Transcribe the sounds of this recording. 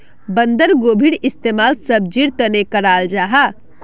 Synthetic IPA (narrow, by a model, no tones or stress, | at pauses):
bə̃nd̪əɾɡoːbʱiɽɪst̪eːmaːlsəb̚d͡ʒiɾt̪ənekəɾaːld͡ʒaːɦa